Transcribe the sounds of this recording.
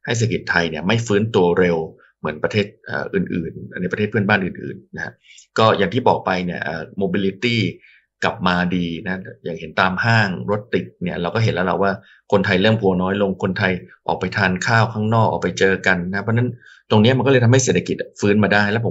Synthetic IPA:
ha˥˩jseː˨˩a˧ki˨˩t̪ʰːa˧jni˧˥˩ɐma˥˩jfɯː˦˥nt̪u˧ɐɾe˧w | mɯ˩˦ənpɾa˧t̪ʰeː˥˩t̪̚ʔə̰ː˨˩ʔɯː˨˩nʔɯ̰ː˨˩nna˧jpɾt̪ʰe˥˩t̚pʰɯ˥˩ənbaː˥˩nʔɯː˨˩nʔɯ̰ː˨˩nːa˦˥ha̰˦˥ | kɔː˥˩jaː˨˩ŋt̪ʰiː˥˩bɔː˨˩k̚pa˧jni˥˩ɐʔə̰ː˨˩moː˧biː˧li˧˦˥t̪iː˥˩ | kla˨˩p̚maː˧diː˧na˦˥ja̰ː˨˩ŋhe˩˦nt̪aː˧mhaː˥˩ŋɾo˦˥t̪ːi˨˩t̪̚ni˥˩ɐɾa˧wkɔː˥˩ɦe˩˦nlɛ˦˥wla̰˨˩waː˥˩ | kʰo˧nt̪ʰa˧jlɤː˥˩mpʰu˧ənɔː˦˥jlo˧ŋkʰo˧nt̪ʰa˧jʔɔ̰ː˨˩k̚pa˧jt̪ʰaː˧nkʰaː˥˩wkʰaː˥˩ŋnɔː˥˩k̚ʔɔ̰˨˩pa˧jt͡ɕɤː˧ka˧nːa˦˥pʰɔ˧˥na˦˥n | t̪o˧ŋni˦˥ma˧nkɔː˥˩ɤ˧jt̪ʰɦha˥˩s̬eː˨˩t̪ʰːa˧ki˨˩t̪̚fɯː˦˥nmaː˧daː˥˩jlɛ˦˥pʰo˩˦

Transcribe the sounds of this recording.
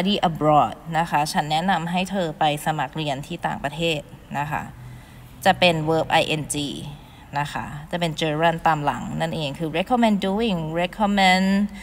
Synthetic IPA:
a˧diː˧˩ʔa˧bɾɔː˧˥˩t̪̚na˦˥kʰa˦˥t͡ɕʰa˦˥nːɛ˦˥na˧mɦa˥˩jt̪ʰɤː˧pa˧jsa˧ma˨˩k̚ɾi˧ənt̪ʰiː˥˩t̪a̰ː˨˩ŋpɾa˧t̪ʰeː˥˩t̪̚na˦˥kʰa̰˦˥ | t͡ɕa˨˩pe˧nwɤː˦˥p̚ʔa˧jʔe˧nt͡ɕiː˧ | na˦˥kʰa̰˦˥t͡ɕa˨˩pe˧nt͡ɕɤː˧ɾa˥˩nt̪aː˧mla̰˩˦ŋna˥˩nʔeː˧ŋkʰɯː˧ɾe˧˦˥kʰːɔ˧me˧nduː˧˥wi˧˨˩ŋɾe˦˥kʰːɔ˧˥mɛ˧˥n

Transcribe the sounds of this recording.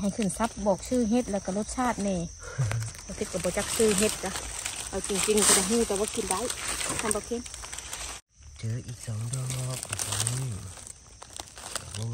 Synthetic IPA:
ɦa˨˩jkʰɯ˧˩˨nsa˧˦p̚bɔː˨˩k̚sɯː˧˨ɦe˧˦t̪̚lɛː˧˩˨wka˧˩lo˧t̪̚t͡ɕʰaː˧˥˩t̪̚nɛː˧˩ | a˧˩kʰɯ˧t̪̚ka˧bɔː˧t͡ɕa˧k̚sɯː˧˩ɦe˧t̪̚ka˧˩ʔa˧˩wt͡ɕi˧ŋt͡ɕi˧ŋka˧da˧˨ɦɯː˧˩˨t̪ɛː˧˩waː˧kʰi˧˨nda˧˥˨jk̪ʰa˧˨mba˧kʰe˧˥n | tʰɯː˨˦ʔiː˨˩k̚sɔː˨˦ŋdɔ˧lɔː˧˥p̚ka˨˩kɔ˨˦˧ni˧˩˧ | a˧˨bɔ˧

